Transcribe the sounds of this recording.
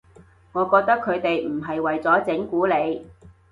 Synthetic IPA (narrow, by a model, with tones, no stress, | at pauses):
ŋɔː˨˧kɔː˧k̚t̪ɐ˥kʰːɵ˨˧ɥt̪e˨jm̩˨˩ɦɐ˨jwɐ˨jt͡sɔː˨˥t͡sɪ˨˥ŋkuː˨˥le˨˧j